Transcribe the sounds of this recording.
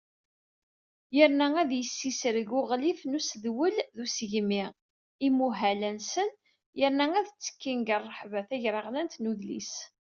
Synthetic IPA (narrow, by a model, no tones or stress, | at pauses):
jəɾnææðjəsːisəɾəɡʊʁlifnusðwəlðusəʝmiʁ | imuɦælænsən | jəɾnææðt͡sːə̥kːinɡərˤːəħvæθæʝɾəʁlænt̪nuðlḭs